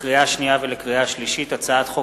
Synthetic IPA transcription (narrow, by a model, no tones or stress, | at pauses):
ʁiaʃnijavelekʁiaʃliʃitat͡saat̪χo